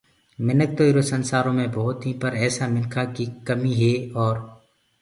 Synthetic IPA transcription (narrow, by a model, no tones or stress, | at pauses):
mɪnək̚t̪oːiɾoːsənsaːɾõːmẽːbɔːʊt̪ɦĩːpəɾɛːsaːmɪnkʰaːkiːkəmiːɦeːɔːɾ